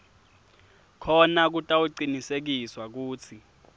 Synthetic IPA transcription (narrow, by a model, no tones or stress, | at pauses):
kʰɔnak̬utʼauǀinisek̬iswak̬uːt͡sʰi